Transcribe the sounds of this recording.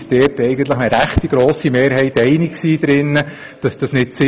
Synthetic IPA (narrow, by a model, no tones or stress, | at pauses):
sd̥ɛːtɛɪɡən̩t̪ləχəɾæχtiɡ̥ɾoːsimeːɾɦɛɪt̪ɛɪnɪkksiːd̥̪ɾɪnːə | d̥ɑsd̥ɑsnɪtsɪ